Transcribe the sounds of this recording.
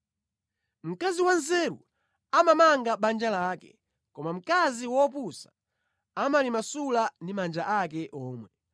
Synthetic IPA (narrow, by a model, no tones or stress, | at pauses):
m̩kaziwanzɛɾṵ | amamaŋɡaɓand͡ʒalaːkɛ | kɔmam̩kaziwɔpusḁ | amalimasulandimand͡ʒaʔakɛʔɔːmwɛ